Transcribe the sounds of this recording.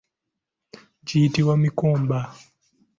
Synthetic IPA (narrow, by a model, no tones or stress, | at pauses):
d͡ʒiːtiwamikɔːmba